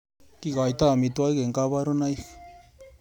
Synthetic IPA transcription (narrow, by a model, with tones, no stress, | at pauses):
ki˦ɣa˨i˨t̪a˦˨mi˨twa˦i˦ɣe˨ŋka˦βa˦ɾo˦na˦i˦x